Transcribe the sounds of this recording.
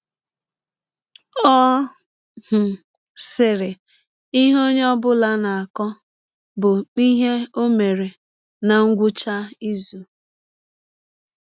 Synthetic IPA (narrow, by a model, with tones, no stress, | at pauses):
ɔ˦ | h̩˨ | sɪ˨ɾɪ˨ | i˦ɦo˦ɲ˦ɔ˦bʊ˦la˦na˨a˨kɔ˦ | bʊ˨i˦ɦe˦o˦me˨ɾe˨ | na˨ŋ̩˦ɡʷʊ˦t͡ʃa˦i˦zu˨